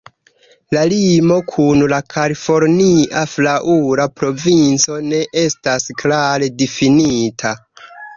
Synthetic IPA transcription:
lalimo̞kʰunlakʰalifo̞ɾniʔaflaʔuɾapɾo̞vint͡so̞ne̞ʔe̞stasklaɾe̞difinitʰa

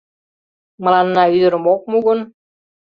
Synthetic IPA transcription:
mɤ̆lɑnːɑyd̪ə̆ɾə̆mok̚muɣɤ̆n

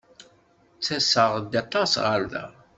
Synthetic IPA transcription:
t͡sːæsəʁd̪ɑt̪ˤːɑsʁəɾðæ̰

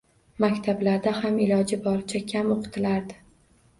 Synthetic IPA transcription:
makʲt̪ʰablaɾd̪ahamɪlɒd͡ʒɪbɒɾɪt͡ʃʰakʲʰamoqʰɨ̥t̪ʰɪlaɾd̪ɪ

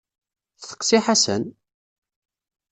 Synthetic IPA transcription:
θθə̥ksiħasə̰n

